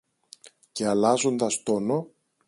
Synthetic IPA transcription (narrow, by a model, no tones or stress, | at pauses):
ce̞ɐlɐzo̞nd̪ɐst̪o̞no̞